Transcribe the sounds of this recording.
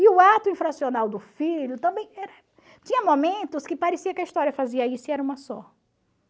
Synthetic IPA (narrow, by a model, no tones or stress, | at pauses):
ɪʊat̪ʊĩfɾasionawd̪ʊfiʎʊt̪ɐ̃mbẽj̃ɛɾɐ | t͡ʃĩɲɐmomẽnt̪ʊskɪpaɾesiɐkɐist̪ɔɾjɐfaziɐisʊɪɛɾɐũmɐsɔ